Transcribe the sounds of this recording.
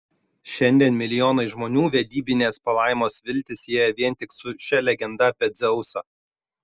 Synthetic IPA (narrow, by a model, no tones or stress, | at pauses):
ʃʲɛnʲd̪ʲiɛnmʲɪlʲɪjoːnɐɪʒmoːnʲuːʋʲɛd̪ʲiːbʲɪnʲeːspɐlˠɑːˑɪmoːsʋʲɪlʲt̪ʲɪseːjɛʋʲiɛnʲˑt̪ʲɪksʊʃʲɛlʲɛɡʲɛnd̪ɐpʲɛd̪zʲɛʊsɐ